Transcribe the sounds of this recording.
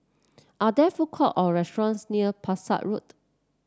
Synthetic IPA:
ʔadɛfukʰɔʔɔɹɛstɹɔ̃nsniəpʰasa̰ʔɹut

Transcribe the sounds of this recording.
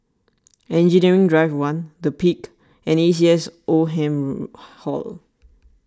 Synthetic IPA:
ɛ̃nd͡ʒiniɹĩŋdɹaɪfwãndəpʰik | ɛ̃nis̬iɛsʔoɦɛ̃mhɔ̰l

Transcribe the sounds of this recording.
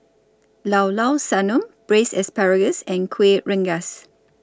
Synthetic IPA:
lawlawsanɔ̃mb̥ɹesɛspaɹəɡəsɛ̃nkʰweʔɹɛ̃ŋɡas

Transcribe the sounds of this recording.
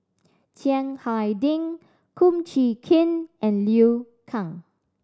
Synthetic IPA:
tʰjɛ̃ŋhajdĩŋ | kʰũmt͡ʃikʰĩnʔɛ̃nli | kʰãŋ

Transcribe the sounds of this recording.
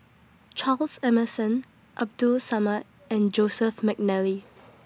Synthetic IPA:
t͡ʃʰalsɛməsə̃n | ʔap̚dulsamə | ɛ̃nd͡ʒosəfmɛk̚nɛli

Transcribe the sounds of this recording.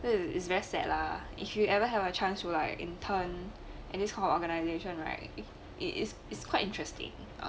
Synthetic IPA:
soɪ̰s̬vɛɹisɛ̰t̚la | ʔḭfjuɛvəɦɛvət͡ʃãnstulaɪkḭ̃ntʰə̃n | ʔɛ̃ndɪskʰãɪ̃nɔfɔɡənaɪzeʃɔ̃nɹa̰ɪt̚ | ʔɪ̰ʔɪ̰ts | ɪtskʰwaɪtɪ̃ntɹ̥ɛstɪ̰̃ŋ̰

